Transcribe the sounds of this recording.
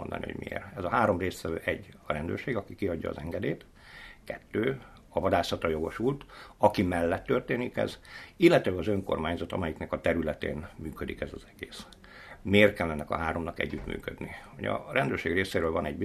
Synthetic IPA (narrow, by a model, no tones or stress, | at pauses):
ond̪ɒ̰nḭho̰ɟmḭḛːrɛzɒɦaːɾo̞mreːst̪ʋɛvø̰ːʔɛɟːɒɾɛnd̪ø̰rʃeːɡɒkikiɒɟːɒ̰ːzɛŋɡɛd̪eːt̪ | kɛt̪ːøː | ɒvɒd̪aːsɒt̪rɒjo̞ɡo̞ʃult̪ɒkimɛlːɛt̪ːørt̪eːnikɛ̰zilːɛt̪ɛɛɡɒzø̞ŋko̞̰rmaːɲzɒt̪ɒ̰mɛjiknɛkɒt̪ɛɾylɛt̪ḛːnmyːkød̪ikɛzɒzɛɡ̥eːs | meːrkɛlːɛnːɛkɒ̰ɦaːɾo̞mnɒkɛ̰ɟːyt̪my̰ːkød̪nihoɟɒ̰rɛnd̪øːrʃeːɡreːseːɾøːlvɒnɛɟbi